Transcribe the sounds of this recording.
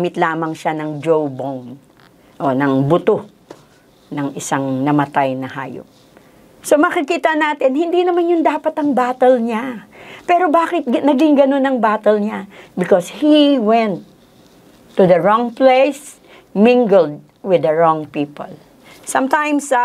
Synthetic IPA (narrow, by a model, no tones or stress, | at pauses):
mɪt̪laːmɐŋʃanɐŋd͡ʒowbown | ʔonɐŋbʊt̪o | nɐŋɪsaŋnɐmɐt̪ajnɐha̰ːjo̰p̚ | somɐkɪkiːt̪ɐnaːt̪ɪnhɪnd̪inɐmanjʊnd̪aːpɐt̪ɐŋbaːt̪ɛlɲapɛːɾo̞baːkɪt̪̚ɡnɐɡɪŋɡɐno̞nɐŋbaːt̪ɛlɲabɪkoshiwɛ̃nt̪ː | ud̪ɐɹɔ̃ŋplejs | mɪ̃ŋɡɛld̪̚ | wɪd̪ɐɹɔ̃ŋpiːpo̰l | sɐ̃mt̪ãjms